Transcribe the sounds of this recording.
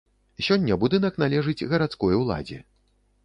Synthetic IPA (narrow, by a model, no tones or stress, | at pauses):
sʲɔnʲːɐbud̪ɨn̪ɐknalʲɛʐɨd͡zʲɣɐɾat̪skɔjwlˠa̰d͡zʲɛ̰